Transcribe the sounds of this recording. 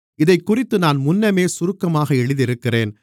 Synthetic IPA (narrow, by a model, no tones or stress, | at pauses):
ɪðɐɪkːʊrɪt̪ːɯnaːnmʊnːɐmeːsʊɾɯkːɐmaːɣɐɛɻɯðɪɾɯkːɪreːn